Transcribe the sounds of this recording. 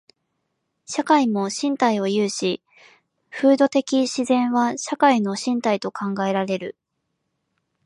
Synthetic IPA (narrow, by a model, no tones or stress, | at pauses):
ɕakaimo̞ɕĩnt̪aio̞jɯːɕi | ɸɯ̟ːd̪o̞t̪e̞kʲiɕizẽ̞ɰ̃βaɕakaino̞ɕĩnt̪ait̪o̞kʰãŋɡae̞ɾaɾe̞ɾɯ̟